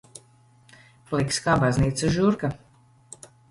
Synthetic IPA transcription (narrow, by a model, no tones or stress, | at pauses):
flˠikskaːbazniːt̪sɨʒuɾka